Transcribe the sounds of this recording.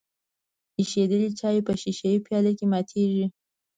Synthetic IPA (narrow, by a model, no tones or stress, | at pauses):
iʃed̪əlit͡ʃɑjepəʃiʃajipjɑlakemɑt̪ʰeʒi